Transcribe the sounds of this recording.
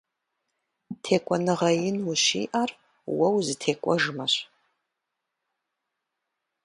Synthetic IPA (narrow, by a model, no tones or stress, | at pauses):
tʰeːkʷʼɔnɨʁɐjɪnwʊɕḭːʔar | wɐwzɨtʰeːkʷʼɔʐɨmɐɕ